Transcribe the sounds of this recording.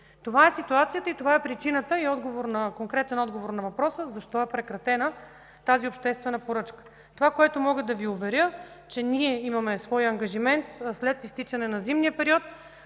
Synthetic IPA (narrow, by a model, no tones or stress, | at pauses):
t̪ovaɛsit̪uat̪sijət̪əit̪ovaɛpɾit͡ʃinət̪əiɔd̪ɡovoɾnɐkoŋkɾɛt̪ɛnɔd̪ɡovoɾnɐvɐpɾɔsəzɐʃt̪ɔɛpɾɛkɾɐt̪ɛnə | t̪aziopʃt̪ɛst̪vɛnəpoɾɤt͡ʃkə̥ | t̪ovakoɛt̪omɔɡəd̪ɐviʊvɛɾʲjɤ | t͡ʃɛniɛimɐmɛsvɔjɐŋɡɐʒimɛnt̪slɛt̪ist̪it͡ʃɐnɛnɐzimnijəpɛɾiɔt̪